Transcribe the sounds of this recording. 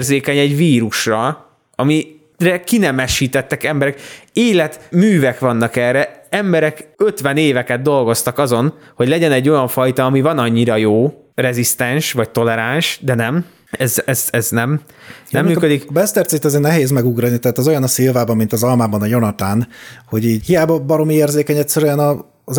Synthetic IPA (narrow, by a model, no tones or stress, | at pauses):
rzeːkɛɲɛɟviːɾuʃrɒ | ɒmi | rɛkinɛmɛʃiːt̪ɛt̪ːɛkɛmbɛɾɛkeːlɛt̪myːvɛkʋɒnːɒkɛrːɛɛmbɛɾɛkø̞t̪ʋɛneːvɛkɛd̪̚d̪o̞lɡo̞st̪ɒkɒzo̞n | ho̞ɟlɛɟɛnɛɟːo̞jɒɱfɒjt̪ɒːmivɒnɒɲːiɾɒjoː | rɛzist̪ɛnʃʋɒc̚t̪o̞lɛɾanʃd̪ɛnɛm | ɛzɛzɛznɛm | nɛmmyːkød̪ikbɛst̪ɛrt̪sit̪ːɛzeːrnɛɦeːzmɛɡuɡrɒnit̪ɛɦaːt̪ɛzo̞jɒnɒsilvaːbɒmːint̪ɒzɒlmaːbɒnɒjo̞nɒt̪aːnho̞ɟiːɟhijaːbɒbɒɾo̞mieːrzeːkɛɲɛtsɛɾyɛnɒ